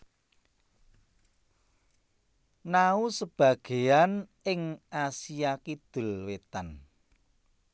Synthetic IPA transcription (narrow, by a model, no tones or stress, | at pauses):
nausəb̥ä̤ɡ̥e̤an | ɪŋʔasijakid̪̥ʊ̤lwet̪an